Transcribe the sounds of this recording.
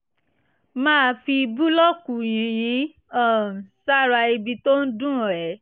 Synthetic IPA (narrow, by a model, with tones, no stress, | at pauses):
mãː˦˧fi˧bu˦lɔ˦ku˨jĩ˨˦j̃ĩ˨˦ | ɔ˦˨sa˦˨ɾa˧i˧bi˧to˦n̩˦dũ˦˨ɾɛ˨˦